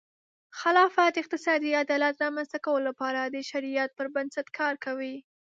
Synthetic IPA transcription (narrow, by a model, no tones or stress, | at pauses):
xalɑfat̪ɪq̚t̪ɪsɑd̪iad̪ɑlat̪ɾɑmanst̪akawəlolapɑɾad̪əʃaɾijat̪̚pəɾbansat̪kʰɑɾkawi